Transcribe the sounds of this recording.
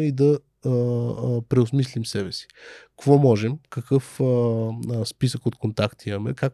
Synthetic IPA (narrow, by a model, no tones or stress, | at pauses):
id̪ɐ | pɾɛosmislimsɛbɛsi̥kvɔmɔʒɛmkɐkɤf | spisəkot̪kont̪akt̪iɐmɛ̰kak